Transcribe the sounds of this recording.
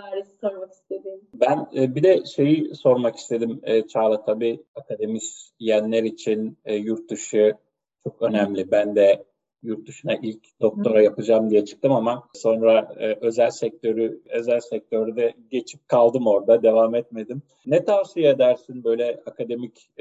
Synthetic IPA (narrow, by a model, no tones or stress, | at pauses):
aɾisoɾmaki̥st̪ʰed̪imbænːbid̪ɛʃe̞jiso̞ɾmaki̥st̪ʰe̞d̪imːt͡ʃʰaːlˠat̪ʰabiakʰad̪e̞misjænlʲɛɾit͡ʃʰinːjuɾt̪d̪uʃɯ | t͡ʃʰo̞kø̞næmlʲibænd̪ɛ | juɾt̪̚d̪uʃunaʔilʲcd̪o̞k̚t̪ʰo̞ɾajapɯd͡ʒamd̪ijɛt͡ʃʰɯ̥k̚t̪ʰɯmamaso̞nɾaːʔø̞zælʲsɛc̚t̪ʰø̞ɾyø̞zælʲsɛc̚t̪ʰø̞ɾyd̪ɛɟe̞t͡ʃʰi̥p̚kʰalˠd̪ɯmo̞ɾd̪ad̪e̞vaːmɛt̪̚me̞d̪im | nɛt̪ʰavsijaed̪æɾsinbø̞jlʲɛakad̪e̞mic